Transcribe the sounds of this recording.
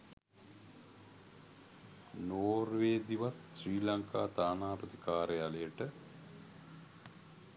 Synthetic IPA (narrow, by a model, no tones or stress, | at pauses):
noːrʋeːd̪iʋat̪ɕriːlaŋkaːt̪aːnaːpət̪ikaːɾəjalejəʈə